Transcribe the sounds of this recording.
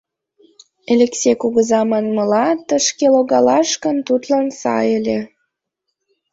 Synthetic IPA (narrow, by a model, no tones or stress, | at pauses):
elʲeksʲekuɣəzɑmɑnməlɑt̪əʃkeloɣɑlɑʃkənt̪ut̪lɑnsɑ̰jəlʲe